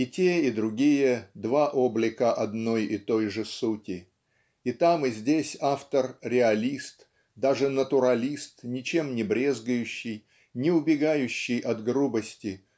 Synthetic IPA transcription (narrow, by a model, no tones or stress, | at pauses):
ɪtʲeɪd̪ɾʊɡʲijəd̪vaʔo̞blʲɪkəʔɐd̪no̞jɪt̪o̞jʐɨsutʲɪ | ɪt̪amɨzʲdʲesʲaft̪ərɾʲɪɐlʲist̪ | d̪aʐɨnət̪ʊɾɐlʲist̪nʲɪt͡ɕe̞mnʲɪbɾʲe̞zɡəjʉɕːɪj | nʲɪʊbʲɪɡajʉɕːɪjʔɐt̪ɡɾubəsʲtʲɪ